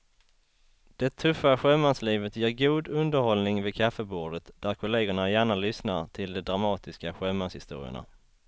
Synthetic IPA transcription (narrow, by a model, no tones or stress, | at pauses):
d̪̥ɛt̪ʰɵfːaɧɛmansliːvət̪jeːɾɡuːd̪ɵnd̪əɾhɔlnɪŋvɪkʰafːəbuːɖət̪d̪̥æɾkʰʊleːɡəɳajæːɳalʏsnaɾt̪ʰɪld̪ɛd̪ɾamɑːt̪ɪskaɧɛmːanshɪ̰st̪ṵːɾɪ̰ə̰ɳa̰